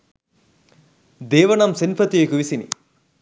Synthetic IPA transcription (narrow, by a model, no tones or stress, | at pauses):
d̪eːʋɐnɐmsinpʰɐt̪ijekuʋisinḭ